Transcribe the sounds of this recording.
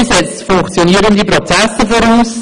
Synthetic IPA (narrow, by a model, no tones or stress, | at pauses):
sɛt͡stfʊŋkt͡sjoniːəɾəndiprot͡sɛsəfoɾuːs